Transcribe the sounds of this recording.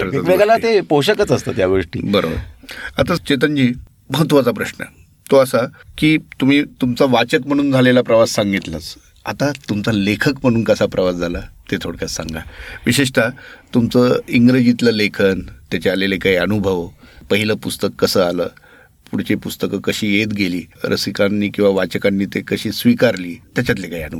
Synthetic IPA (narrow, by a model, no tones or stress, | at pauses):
kʰəɾəəʋeɡalaepoɕəkət͡səst̪ət̪jaɡoʂʈiːbəɾo̰bə̰ɾat̪at͡ɕet̪̬ənd͡ʑiː | məɦət̪ːʋat͡sapɾəɕnə̰ | t̪oəsakiːt̪um̤iːt̪umt͡saʋat͡ɕəkm̤əɽ̃uːnd͡zʱalelapɾəʋasːaŋɡit̪lat͡s | a̰t̪at̪umt͡salekʰəkm̤əɽ̃uːnkəsapɾʔəʋasd͡zʱalat̪et̪ʰoɽkjassa̰ŋɡa̰ʋiɕeʂ̬ʈ̪ʰat̪umt͡səːiŋɡɾed͡ʑit̪ləlekʰənt̪jat͡ɕaalelekaɦiənubʱəʋəpəɦiləpust̪əkːəsəaləː | puɽt͡ɕepust̪əkəkəɕiːjet̪ɡeliːɾʔə̰sikanːiːkĩw̃ʋaʋat͡ɕəkanːiːt̪ekəɕiːsʋikaɾliːt̪jat͡ɕjat̪lekaɦiənub